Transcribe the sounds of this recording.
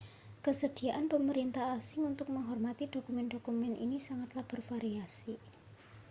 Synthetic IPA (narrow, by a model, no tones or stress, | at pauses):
kəsəd̥i̤aʔanpəməɾint̪aasɪŋunt̪ʊk̚məŋɦɔrmat̪id̪̥o̤kumɛnd̪o̤kumɛnʔḭnisaŋat̪lab̥ə̤rfaɾiasi